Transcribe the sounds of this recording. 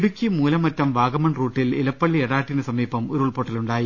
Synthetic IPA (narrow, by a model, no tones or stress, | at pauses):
ɽukʲːimuːlɐmɐtːɐmʋaːɡɐmɐɳruːʈːililɐpːɐɭːieɽaːʈːinɨsɐmiːpɐmoɾuɭpoʈːɐluɳɖaːji